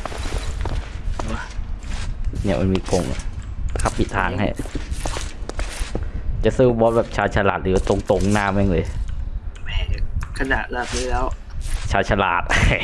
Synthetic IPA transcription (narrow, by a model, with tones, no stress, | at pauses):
ni˥˩ɐmʔa̰˧nmiː˧ko˧˩ŋ˨˩kʰa˧˥˩pʰːi˨˩t̪ʰːaː˧ŋha̰˥˩j | t͡ɕa˨˩sɯː˥˩bɔː˦˥bɛː˨˩p̚t͡ɕʰaː˧tt͡ɕʰa˧laː˨˩t̪̚lɯː˨˦˧t̪o˧ŋt̪o˧˩ŋnaː˧˩mː˦˥˨ŋlɤː˧j | mɛː˧˩ja˨˩kʰa˧na˨˩ʔlaː˧˩kɯ˧˥˩lɛː˦˥wt͡ɕʰaː˧t̪̚t͡ɕʰa˧la̰ː˨˩t̪̚